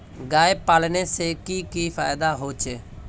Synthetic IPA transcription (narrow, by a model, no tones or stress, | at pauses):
ɡaːeːpaːlneːseːkiːkiːpʰaːjd̪aːɦoːt͡ʃeː